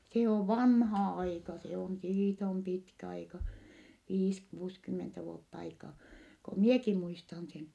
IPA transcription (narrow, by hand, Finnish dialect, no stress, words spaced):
se oʋ ʋɑnhɑ ɑikɑ se on siːt om pitkæ ɑikɑ ʋiːs kuːskymːentæ ʋuotː ɑikɑː ko mieki muistɑn sen